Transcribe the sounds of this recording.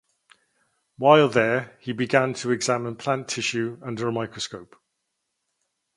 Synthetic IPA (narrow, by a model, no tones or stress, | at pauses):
waɪlˠðəhibɪɡãntʰəɛɡzamɪ̃npʰl̥ãntʰɪʃʉʌ̃ndəɹəmaɪkɹ̥əskoʊp